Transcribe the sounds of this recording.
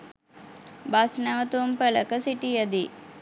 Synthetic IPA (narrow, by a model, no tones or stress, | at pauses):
basnɛʋət̪umpələkəsiʈijəd̪i